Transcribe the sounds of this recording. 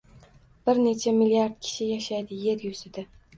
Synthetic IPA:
b̥ɪɾne̞t͡ʃʰamɪlijaɾd̪̚kʲʰɪ̥ʃɪjaʃajd̪ɪje̞ɾjʊzɪd̪ɪ

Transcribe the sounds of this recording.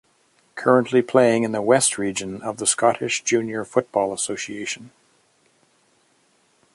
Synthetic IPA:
kʰɜ˞ə̃nʔlipʰl̥eɪɪ̃ŋɨ̃nðəwɛst̚ʰɹid͡ʒɨ̃nʌvðəskɑɾɨʃd̥ʒ̥ʉ̃njə˞fʊt̚b̥ɔlˠəsoʊsieɪʃɨ̃n̩

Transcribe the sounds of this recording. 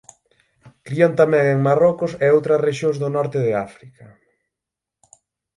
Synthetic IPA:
kɾiant̪amɛ̃ŋeŋmarɔkʊsɛowt̪ɾɐsreʃjoŋzðʊnɔɾt̪ɪðɪafɾikɐ

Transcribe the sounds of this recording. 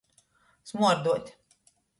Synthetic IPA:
smuɔɾd̪uɔt̪ʲ

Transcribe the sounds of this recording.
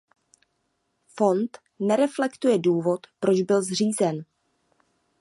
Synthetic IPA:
fo̞nt̪ | nɛɾɛflɛkt̪ujɛduːvo̞t̪pɾo̞d͡ʒbɪlzr̝iːzɛn

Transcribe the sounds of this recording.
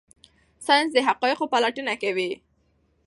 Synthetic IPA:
sanzd̪əɦaqɑjɪqopalaʈənakawi

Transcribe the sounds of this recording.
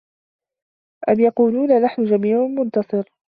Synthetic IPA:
ʔamjɑquːluːnanaħnʊd͡ʒamiːʕʊmʊnt̪ɑsˤɨɾ

